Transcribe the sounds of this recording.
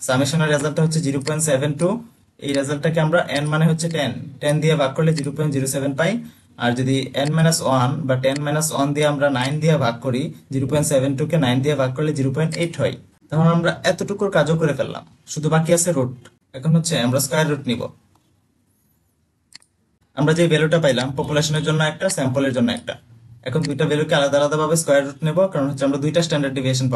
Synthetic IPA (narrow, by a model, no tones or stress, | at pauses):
samiʃɔneɾːɛzalʈaɦotːɕʰed͡ʑiɾopɔjnʈsɛbʱenʈu | ḛjɾed͡ʑalʈakeamɾaʔɛnmaneɦotːɕʰeʈɛnʈɛnd̪ijabʱaɡ̚kːoɾled͡ʑiɾopɔjnʈd͡ʑiɾosɛbenpaj | a̰ɾd͡ʑod̪iɛnmɛnasanbaʈɛnmɛnasand̪iaamɾanajnd̪ijabʱakːoɾid͡ʑiɾopɔjnʈsɛbʱenʈukenajnd̪ijabʱaɡ̚kːoɾled͡ʑiɾopɔjnʈeʈɦɔj | t̪aɦonamɾaɛt̪oʈukuɾkad͡ʑokoɾefelːla̰m | ʃud̪ʱubakiat͡ɕʰeɾuʈ̚ | ɛkʰonɦotːɕʰeamɾaskɔjaɾːuʈnibo̰ | amɾad͡ʑebeluʈapajlampɔpuleʃoneɾd͡ʑonːoɛk̚ʈasɛmpoleɾd͡ʑonːoɛ̰k̚ʈa̰ɛ̰kʰond̪ujʈabelukealad̪aalad̪abʱabeskɔjaɾːuʈ̚nebokaɾɔnɦotːʃʰeamɾad̪ujʈasʈɛɳɖaɾɖɖibʱiʃ̬onpa